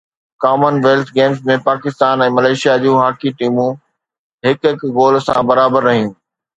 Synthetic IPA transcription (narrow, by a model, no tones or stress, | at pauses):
kaːmənʋeːlt̪ʰɡeːmsmẽpaːkɪst̪aːnɛ̃ːmɐleːʃijad͡ʑũːɦaːkiʈiːmũ | ɦɪkɪkɣoːlsã̰bɐɾaːbəɾːɐɦij̃ũː